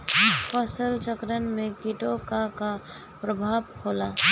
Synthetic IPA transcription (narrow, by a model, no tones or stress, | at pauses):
pəsəlt͡ʃəkɾənmẽkiʈokaka | pɾəbʱaːbhoːlaː